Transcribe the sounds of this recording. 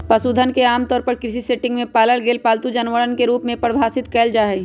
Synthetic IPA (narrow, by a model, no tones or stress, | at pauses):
pɐsuːd̪ʱənkeaːmt̪ɔːɾpɐɾkɾɪsiseːʈɪ̃ŋɡmẽpaːləɭɡeːlpaːlt̪ud͡ʒɐnʋəɭənkeɾuːpmẽpɐɽbʱaːsɪt̪kɛːld͡ʒaːɦɛ